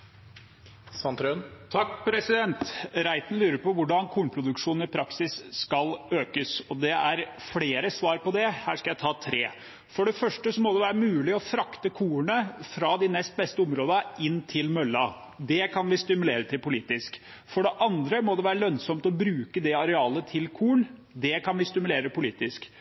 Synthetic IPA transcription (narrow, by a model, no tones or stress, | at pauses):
sɑnt̪ʰɾønt̪ʰɑkːpʰɾɛsɪd̪ɛnt̪ɾæɪt̪n̩lyːɾəɾpɔʋʊɖɑnkʰuːɳpʰɾʊd̪ʉkʂuːnn̩ɪpʰɾɑksɪsːkɑløːkəsɔd̪ɛæɾfɽeːɾəsʋɑːɾpɔd̪ɛhæːʂkɑjæɪt̪ʰɑːt̪ʰɾḛː | fɔɖɛfœʂʈəsɔmɔd̪ɛʋæːɾəmʉːlɪɔfɾɑkt̪əkʰuːəɳəfɾɑd̪ɪnɛst̪̚bɛst̪əɔmɾoːd̪əɪnːt̪ʰɪlmœlːɑ | d̪ɛkʰɑnʋɪst̪ɪmʉleːɾət̪ʰɪlpʊliːt̪ɪsk | fɔɖɛʔɑnd̪ɾəmɔd̪ɛʋæːɾəlœnsɔmt̪ɔbɾʉːkəd̪ɛɑɾɛɑːlət̪ʰɪlkʰuːɳ | d̪ɛkʰɑnʋɪst̪ɪmʉleːɾəpʊliːt̪ɪsk